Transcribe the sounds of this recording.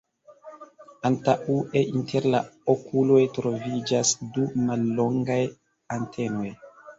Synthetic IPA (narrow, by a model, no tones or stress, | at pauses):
antaʔuʔeʔintʰeɾlaokulo̞jtɾo̞vid͡ʒasdumalːo̞ŋɡaj | antʰe̞no̞j